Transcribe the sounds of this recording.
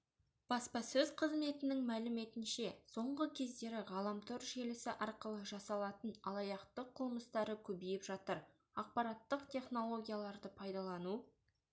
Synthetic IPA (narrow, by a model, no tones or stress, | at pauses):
b̥ɑspɑsɵzqʰəzme̞t̪ɪnɪŋmælɪme̞t̪ɪnʃe̞so̞ɴʁəkʲʰe̞zd̪e̞ɾɪʁɑlˠɑmt̪ʰoɾʒe̞lɪsɪʔɑɾqəlˠəʒɑsɑlˠɑt̪ənɑlˠɑjɑqt̪əqʰʊlˠməst̪ɑɾəkʲʰɵbijɪpʒɑt̪əɾ | ɑq̚pɑɾɑt̪ːəqt̪ʲʰe̞χno̞lˠo̞ɡʲijalˠɑɾd̪əpʰɑjd̪ɑlˠɑnu